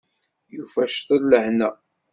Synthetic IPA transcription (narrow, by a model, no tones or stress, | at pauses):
jufæʃθˤəlːəhnæ